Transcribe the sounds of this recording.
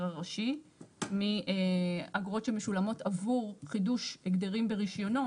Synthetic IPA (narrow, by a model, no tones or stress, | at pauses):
ʁaʁaʃimieaɡʁo̞tʃemeʃulamo̞tavuʁχiduʃeɡd̪eʁimbe̞ʁiʃjo̞no